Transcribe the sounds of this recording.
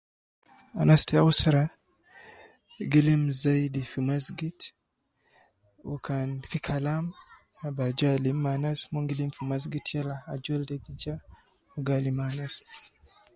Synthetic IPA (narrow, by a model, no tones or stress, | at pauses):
anasteausaɾa | ɡilimzaidifimasɡit | ṵkanfikʰalam | abad͡ʒalimːanasmoŋɡilimfimazɡitʰjɛlaad͡ʒɔldɛɡid͡ʒa | uɡalimanas